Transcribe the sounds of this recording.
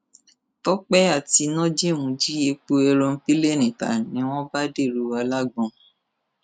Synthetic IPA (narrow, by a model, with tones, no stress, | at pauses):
tɔ˦k͡pɛ˦a˦˨ti˧nɔ̃˦d͡ʒe˦˨mũ˨˧d͡ʒi˦je˧k͡po˧ɛ˧ɾɔ̃˧n̩˦pi˦le˦˨ñĩ˨ta̰˨nĩ˨˦w̃ɔ̃˦ba˦de˦˨ɾu˨˦a˧la˦ɡ͡bɔ̃˧